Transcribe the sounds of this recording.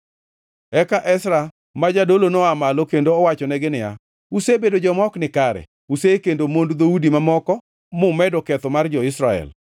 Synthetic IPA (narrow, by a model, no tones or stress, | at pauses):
ɛkaʔɛsɾa | mad͡ʒadolonoamalokendoːwat͡ʃɔnɛɡɪnɪja̰ | usebedod͡ʒɔmɔknɪkaɾɛ̰ | usekendomondd̪oudimamɔkɔ | mʊmɛdɔkɛt̪ɔmard͡ʒɔɪsɾaɛ̰l